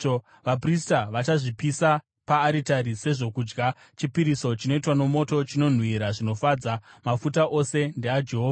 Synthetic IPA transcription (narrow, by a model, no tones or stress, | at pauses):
ʋap̬ristaʋat͡ʃaʐipisa | paːɾitaɾise̞ʐo̞kuːd͡ʒɡa | t͡ʃipiɾiso̞t͡ʃino̞itwano̞mo̞to̞t͡ʃino̞n̤wiɾaʐino̞fad͡zamafutaʔo̞se̞nde̞ad͡ʒe̞ɦoːva